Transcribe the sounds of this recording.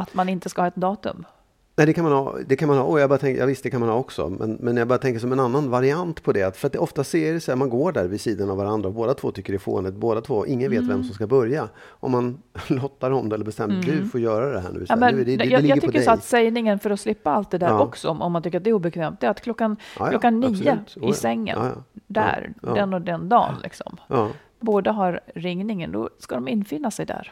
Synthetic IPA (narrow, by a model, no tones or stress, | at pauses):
at̪manɪnt̪əskahɑːɛt̪̚d̪ɑːt̪ɵ̰m | næːɪd̪ɛkʰanmanhɑ̰ːd̪ɛkʰanmanhɑːʔɔjɑɡbɑɾat̪ʰɛŋja̰ɡvɪst̪d̪ɛkʰanmanhɑːɔksɔ̰mɛ̰nmɛnjaɡbɑːɾat̪ʰɛŋkəʂ̬ɔmɛnanːanvaɾɪant̪pʰɔd̪ɛat̪fœɾat̪̚d̪ɛɔft̪aseːɾɛsɛmanɡoːɖæɾvɪsiːd̪anavaɾand̪ɾaɔboːd̪at̪ʰvo̰ːt̪ʏkːəɖɛfo̰ːnɪt̪boːd̪at̪ʰvoːʔɪŋːənveːt̪vɛ̰msɔmskabœɾja | ʔɔmːanlɔt̪ːaɾɔmd̪ɛlːəɾbɛst̪ɛmːd̪ɵfoːɾjœːɾad̪ɛɦæ̰ːɳ̰vɪsamɛnjɑɡlɑɡt̪ːʰʏkːəsat̪sɛjnɪŋənfœɾɔslɪpːaalt̪̚d̪ɛd̪æːɾʔɔksɔɔmɔmːant̪ʰʏkːəɾat̪d̪ɛːɾuːbɛkʰvɛːmt̪̚d̪ɛat̪kʰlɔkːanlɔkːanːiːəɪsɛŋːə̰nd̪æ̰ɾd̪ɛnːɔd̪ɛnd̪ɑ̰ːnlɪ̰ksɔ̰m | boːd̪aɦaɾɾɪŋnɪŋənd̪ɔ̰skad̪ɔmɪnːfɪnːasɛjd̪æ̰ːɾ